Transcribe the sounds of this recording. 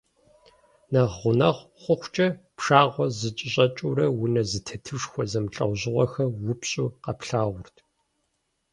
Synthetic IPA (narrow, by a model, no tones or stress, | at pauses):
nɐʁʷʊnɐʁ | χʷʊxʷt͡ʃʼɐpʂaːʁʷɔzɨt͡ʃʼɪɕʼɐt͡ʃʼurɐwʊnɐzɨtʰɐtʰɨʂxʷɔzɐmɬʼɐ̰ʁʑɪʁʷɔxɐwʊpɕʼuːqɐpɬaːʁʷʊrtʰ